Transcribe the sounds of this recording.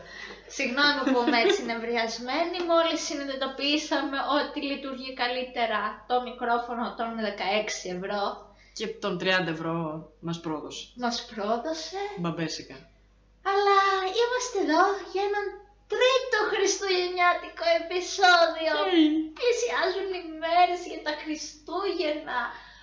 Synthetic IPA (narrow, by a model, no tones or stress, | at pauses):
siɣno̞mipumet͡ssiinevɾiɐzme̞nimo̞lisiniðit̪o̞piisɐme̞ʔo̞t̪ilit̪uɾʝikɐlit̪e̞ɾɐt̪o̞mikɾo̞fo̞not̪o̞nðe̞kɐe̞ksie̞vɾo̞ | cet̪o̞nt̪ɾiɐnd̪ɐevɾo̞mɐspɾoðose̥mɐspɾo̞ðo̞se̞bɐbesikɐ | ɐlɐimɐst̪eːðo̞ʝɐenɐn | t̪ɾit̪o̞xɾist̪uʝe̞ɲɐt̪iko̞e̞piso̞ðioplisiɐzunime̞ɾesʝɐt̪ɐxɾist̪uʝenɐ